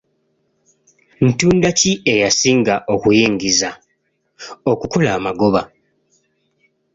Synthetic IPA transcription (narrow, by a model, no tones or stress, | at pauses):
n̩tuːndacie̞jasiːŋɡaʔo̞kujiːŋɡiza | okuko̞laːmaɡo̞βa